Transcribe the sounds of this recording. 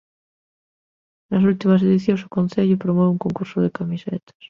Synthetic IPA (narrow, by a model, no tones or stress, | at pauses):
nasult̪imas̬eðiθjoŋsukõnθeʎʊpɾomɔβeuŋkoŋkuɾsoðekamisḛt̪ḁs